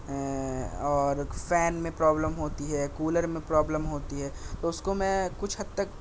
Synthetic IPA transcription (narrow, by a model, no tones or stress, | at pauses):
ɦɛ̃ɔːɾfɛːnmẽpɾɔːbləmɦoːt̪iɦɛkuːləɾmẽpɾɔːbləmɦoːt̪iɦɛːt̪oʊskomɛ̃kʊt͡ʃʰɦɐd̪t̪ːək̚